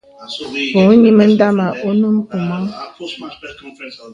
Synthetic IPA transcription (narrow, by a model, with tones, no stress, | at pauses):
po˨˦ɲi˦mə˦n̩˦da˦ma˨ʔo˦nu˦m˦pu˨mɔ˦